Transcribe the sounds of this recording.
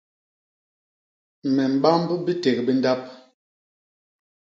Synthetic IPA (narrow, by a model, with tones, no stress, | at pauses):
mɛ˨m̩˨ɓa˦m˦bbi˦te˨k̚bi˦n˦da˦p̚